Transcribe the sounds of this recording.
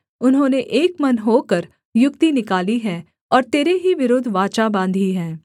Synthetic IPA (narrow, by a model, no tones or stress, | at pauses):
ʊnɦõːneʔeːkmɐnɦoːkəɾ | jʊkt̪inɪkaːliɦɛː | ɔːɾt̪eːɾeɦiʋɪɾoːd̪ʱʋaːt͡ʃabãːnd̪ʱiɦɛ̃ː